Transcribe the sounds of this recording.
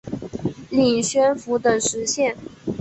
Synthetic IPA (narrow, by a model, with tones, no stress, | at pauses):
li˨˩ŋɕɥɛ˥nfu˧˥t̪ɤ˨˩ŋʂɻ̩˧˥ɕjɛ˥˩n